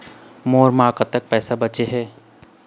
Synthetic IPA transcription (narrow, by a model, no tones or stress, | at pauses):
moːɾmaːkat̪ːək̚pɛːsabɐt͡ʃeɦɛː